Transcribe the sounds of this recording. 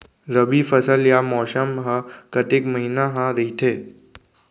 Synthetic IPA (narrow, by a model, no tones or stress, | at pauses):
ɾəbifəsəljamɔːsəmɦəkət̪ekməɦinaɦãɾəɦit̪ʰeː